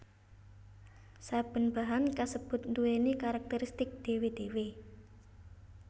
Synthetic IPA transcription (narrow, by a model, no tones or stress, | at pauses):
sab̥ə̤nb̥a̤ɦankasəb̥ʊ̤t̪̚nt̪uenekaɾak̚t̪əɾist̪ɪk̚d̪̥e̤wed̪̥e̤we